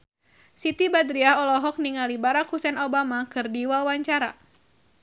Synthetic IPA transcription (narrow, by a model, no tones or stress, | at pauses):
sit̪ibad̪ɾiaɦɔlɔɦɔk̚niŋalibaɾakhusɛnobamakɨrdiwawaɲt͡ʃaɾa̰